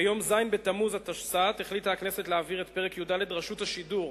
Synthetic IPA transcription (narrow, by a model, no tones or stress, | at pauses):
ajo̞mzajnbetamuzhat̪aʃsateχlit̪aaknese̞tleaviʁetpeʁekjudaledʁaʃuthaʃiduʁ